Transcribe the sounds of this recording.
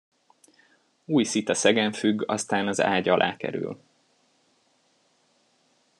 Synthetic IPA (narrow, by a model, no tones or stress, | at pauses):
uːjsit̪ɒsɛɡɛɱfyɡɒ̰st̪aːnɒza̰ːɟɒlʔa̰ːkɛ̰ɾy̰l